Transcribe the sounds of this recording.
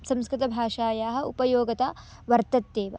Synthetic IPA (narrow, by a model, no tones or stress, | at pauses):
sɐ̃mskɾɪt̪ɐbʱaːʃaːjaːɦɐ̆upɐjoːɡɐt̪aː | ʋɐɾt̪ɐt̪ːeːʋɐ̰